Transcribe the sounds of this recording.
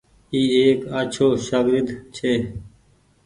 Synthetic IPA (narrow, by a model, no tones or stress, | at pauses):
iːeːkat͡ʃʰoːʃaɡɾɪd̪t͡ʃʰeː